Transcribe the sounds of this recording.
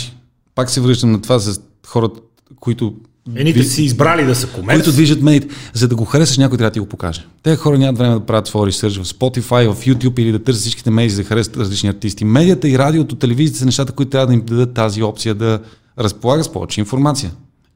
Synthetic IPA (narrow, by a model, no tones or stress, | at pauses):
i̥ | paksɛvɾɤʃt̪əmnɐt̪ovazɐ | xɔɾə | koit̪ʊ | ɛnitvisiizbɾalid̪ɐsəkomɛoit̪ʊd̪viʒət̪mɛd̪iːt̪ɛzɐd̪ɐɡoxɐɾɛsəʃ̬nʲakoʊit̪ɾavd̪əiɡopoka̰ʒɛt̪ɛxɔɾənʲamət̪vɾɛmɛd̪ɐpɾavət̪fɔɾisɤɾt͡ʃvɐfspɔt̪ifajvɐfjut̪ʲjupilid̪ɐt̪ɤɾsʲət̪sit͡ʃki̥t̪ɛmɛd̪izɐxɐɾɛsə̥t̪ɾɐzlit͡ʃniɐɾt̪ist̪imɛd̪ijət̪əiɾad̪iot̪ot̪ːɛlɛvizijət̪əzɐnɛʃt̪at̪əkoit̪ʊt̪ɾʲavəd̪ɐimd̪ɐd̪ɤt̪ːaziɔpt̪sijəd̪ɐ | ɾəspolˠaɡət̪spɔ̰vɛ̰t͡ʃɛinfoɾmat̪sijə